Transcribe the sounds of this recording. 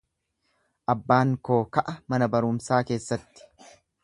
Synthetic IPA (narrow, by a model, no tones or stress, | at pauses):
ʔɐbːaːŋko̞ːkɐʔɐmɐnɐbɐɾʊmsaːke̞ːsːɐt̪ːɪ̥